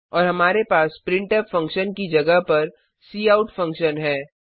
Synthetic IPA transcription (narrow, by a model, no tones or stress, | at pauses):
ɔːɾɦɐmaːɾepaːspɾɪ̃ɳʈəpfɐ̃ŋkʃənkid͡ʒɐɡəɦpɐɾ | siːaːʊʈfɐ̃ŋkʃənɦɛː